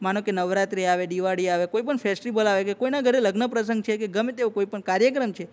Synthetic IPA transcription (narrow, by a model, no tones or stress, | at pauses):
manõkenəʋɾat̪ɾiaʋed̪iʋaɽiaʋekoipəɳfʰɛsʈibəlaʋekekoinaɡʱəɾeləɡnəpɾəsə̃ŋɡ̚t͡ʃʰekeɡəmet̪eõkoipəɳkaɾjək̬ɾəmt͡ʃʰe